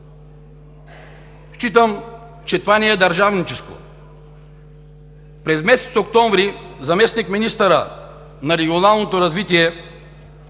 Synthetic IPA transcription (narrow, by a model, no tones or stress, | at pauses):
ʃt͡ʃit̪əm | t͡ʃɛt̪ovanɛːd̪ɐɾʒavnit͡ʃɛsko̰ | pɾɛzmɛsɛ̥t̪sok̚t̪ɔ̃ɱvɾizɐmɛsnikminist̪əɾə | nɐɾɛɡʲionalˠnot̪oɾɐzvit̪iɛ